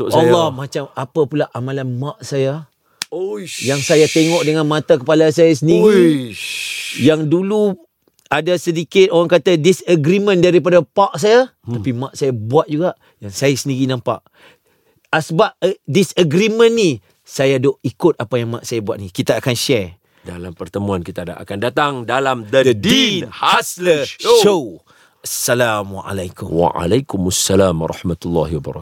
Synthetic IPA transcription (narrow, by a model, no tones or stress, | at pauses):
ʔalːɔhmat͡ʃamapapulaʔamalanmaʔ̚saja | jaŋsajat̪eŋɔʔdəŋanmãt̪akəpalasajas̬əndiɾi | jaŋdulu | adasədikɪt̪oɾaŋkat̪adisəɡɾiməndaɾip̬adapaʔ̚sajat̪apimaʔsajabuat̪̚d͡ʒuɡaʔ | jaŋsajasəndiɾinampa̰ʔ | asəbap̚disəɡɾimə̃nːi | sajadoʔikʊt̪̚apajaŋmaʔsajabuaʔ̪̚nikit̪aːkanʃɛ | dalampərt̪əmũankit̪ada̰ʔa̰kandat̪aŋdalamd̪əd̪ədinhasləʃo | asːalamwa̰ʔa̰lajkʊ̰mwa̰a̰lakʊmasːalam̰ɾˤɑ̰hmat̪ulːa̰hwaba̰ɾ̰k